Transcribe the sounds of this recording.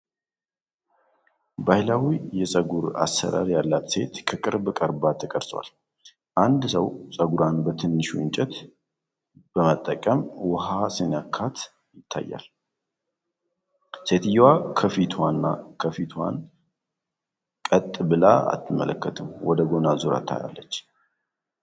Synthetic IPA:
bajlawijɛsʼəɡuɾa̰sːə̰ɾa̰ɾjalːat̪se̞t̪kʰəkʼɨɾbɨkʼəɾbat̪ʰəkʼəɾsʼwa̰l | ʔand̪səwsʼəɡuɾanbət̪ʰɨnːɨʃɨ̰nt͡ʃʼɛt̪ | b̥əmət̪ʼːəkʼəmwəɦasɨnjakʰːat̪ | jɪt̪ʰːa̰jːa̰l | se̞t̪ʰɨjːwakʰəfit̪ʰwanːakʰəfit̪ʰwa̰n | kʼət̪ʼːbɨla̰a̰t̪ʰːɨmːə̰ləkːət̪ʰɨmwɔd̪əɡo̞nazuɾa̰t̪ʰːa̰ja̰lːət͡ʃː

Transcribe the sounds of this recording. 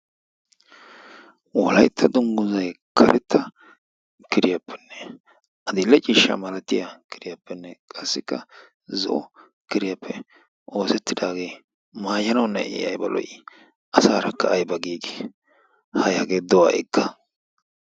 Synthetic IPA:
wɔlɐjt̪ʰːɐd̪ʊŋɡʊzɐj | kʰɐɾʔɛt̪ʰːɐ | kɪɾɪjɐpʰːɛ̥nːɛ | ʔɐd̪ɪlːɛt͡ʃʼiːʃːɐ̰mɐlɐt̪ːɪjakʰɪɾɪjɐpːɛnːɛkʼɐsːɪkːɐ | zɔ̰ʔɔ | kɪɾɪjapːɛ | ʔo̞ːsɛt̪ːɪd̪aːɡeː | maːjɐnɐwnːɐʔɛ̰jɐ̰jbɐlɔ̰j | ʔɐsaːɾɐkːɐːjbɐɡiːɡe | hɐjaɡeːd̪ɔwa̰ːʔɛkːɐ

